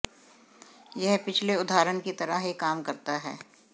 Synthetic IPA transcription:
jɛɦpɪt͡ʃʰleʊd̪ʱaːɾənkit̪ɐɾaɦikaːmkɐɾt̪aɦɛ̰ː

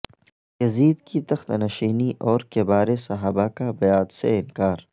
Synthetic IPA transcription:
jɐziːd̪kit̪ɐxt̪ɐnɐʃiːniʔɔːɾkebaːɾesɐɦaːbakabɐjaːd̪sḛɪnkaːɾ

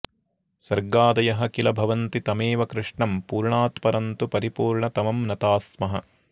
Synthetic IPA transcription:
sɐɾɡaːd̪ɐjɐɦɐkilɐbʱɐʋɐnt̪it̪ɐmeːʋɐkɾɪʂɳɐmpuːɾɳaːt̪mɐɾɐnt̪upɐɾipuːɾɳɐt̪ɐmɐmnɐt̪aːsmɐɦɐ̰

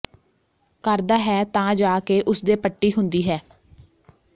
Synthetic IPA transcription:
kəɾd̪aːɦɛːt̪ãːd͡ʒaːkeːʔʊsd̪eːpəʈːiːɦʊnd̪iːɦɛː

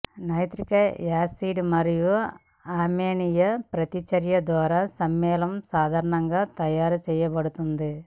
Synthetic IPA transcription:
nɐjt̪ɾikɐjaːsiːɖmɐɾiju | aːmeːɳijɐpɾɐt̪it͡ʃɐɾjɐd̪ʋaːɾaːsɐmːɛːlɐmsaːd̪ʱaːɾɐɳɐŋɡaːt̪ɐjaːɾut͡ʃɛːjɐbɐɽut̪und̪i

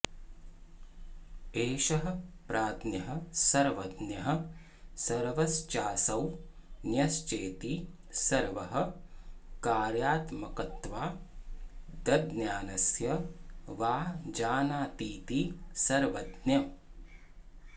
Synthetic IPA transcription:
eːʃɐɦɐ̆pɾʔaːd̪njɐɦɐ̆sɐɾʋɐd̪njɐɦɐ̆ | sɐɾʋɐst͡ʃaːsɐwnjɐst͡ʃeːt̪i | sɐɾʋɐɦɐ̆ | kaːɾjaːt̪mɐkɐt̪ʋaː | d̪ɐd̪njaːnɐsjɐʋaːɦd͡ʒaːnaːt̪iːt̪isɐɾʋɐd̪njɐ

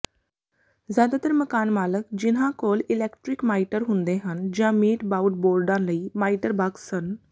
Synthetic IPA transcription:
zjaːd̪aːt̪əɾməkaːnmaːləkd͡ʒɪnãːkoːlɪlɛːkʈɾɪkmaːiʈəɾɦʊnd̪eːɦənd͡ʒãːmiːʈbaːuɖboːɾɖãːləiːmaːiʈəɾbaksən

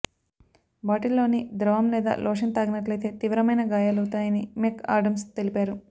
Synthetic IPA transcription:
baːʈilːo̞ːnid̪ɾɐʋɐmlɛːd̪a̰ːlʔɔːʂɐnt̪aːɡɐnɐʈlɐjt̪e̞ːt̪iʋɾɐmɐjnɐɡaːjaːlɐwt̪aːjɐnimeːka̰ːɾɖɐmst̪elipaːɾu

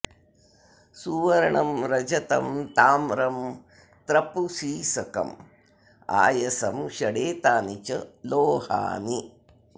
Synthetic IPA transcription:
suːʋɐɾɐɳɐmɾɐd͡ʒɐt̪ɐ̰mt̪aːmɾɐm | t̪ɾɐpusiːsɐkɐ̰m | a̰ːjɐsɐmʃɐɽeːt̪aːnit͡ʃɐloːha̰ːni

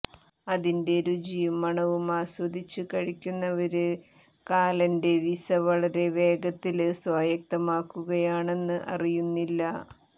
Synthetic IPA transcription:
ɐðinde̞ɾud͡ʑiːmɐɳɐʋumaːswɐd̪it͡ɕːukɐɻikʲːunːɐʋɐɾɨ | kaːlɐnde̞ʋisɐʋɐɭɐɾe̞ʋe̞ːɡɐt̪ːilswaːjɐk̚t̪ɐmaːkːuɣɐjaːɳe̞nːɨʔɐ̰rijunːilːɐ

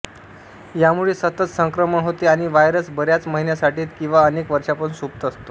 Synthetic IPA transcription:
jamuɭesət̪ət͡ssəŋkɾəməɳɦot̪eaɽ̃iʋajɾəsbəɾjat͡sməɦinjasaʈiːt̪kĩʋaənekʋəɾʂapəɳsup̚t̪əst̪o

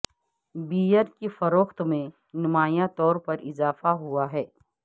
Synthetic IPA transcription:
biːjəɾkefɐɾoːxt̪mẽ | nʊmaːjãt̪ɔːɾpɐɾɪzaːfaɦuaɦɛː

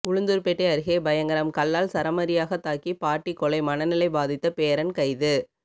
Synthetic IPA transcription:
ʊɻʊnd̪ɯɾpɛʈːeɐɾɯɣeːbɐjɐŋɡɐɾɐmkɐlːaːlsɐɾɐmɐɾɪjaːɣɐt̪ːaːkːipaːʈːikːɔɭɐɪmɐnɐnɪlɐɪbaːðɪt̪ːɐpeːɾɐnkɐɪðɯ

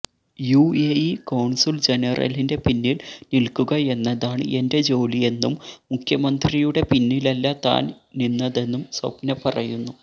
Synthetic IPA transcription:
juːeikɐwɳsild͡ʑe̞nɐrɐ̰linde̞pinːilnilkuɣɐe̞nːɐðaːɳɨʔe̞nde̞d͡ʑo̞ːlije̞nːumːukʰjɐmɐnd̪rijuɽe̞pinːilɐlːɐt̪a̰ːn | ninːɐðe̞nːumswɐ̰pnɐpɐrɐjunːu

